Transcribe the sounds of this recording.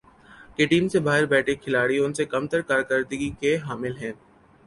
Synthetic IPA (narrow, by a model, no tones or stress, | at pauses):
keʈiːmsebaːɦɪɾbɛːʈʰekʰɪlaːɽiʊnsekɐmt̪əɾkaːɾkəɾd̪əɡikeɦaːmɪlɦɛ̃ː